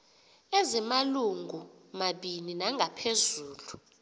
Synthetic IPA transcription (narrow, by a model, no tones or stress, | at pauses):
ɛzɛmaluŋɡʱumaɓininaŋʱapʰezuːlu